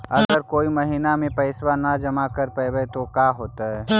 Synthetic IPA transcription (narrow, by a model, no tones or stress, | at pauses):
ɐɡəɾkoːimɐɦiːnamẽpɐɪswanad͡ʒɐmakəɾpabet̪okaːɦoːt̪aɦɛː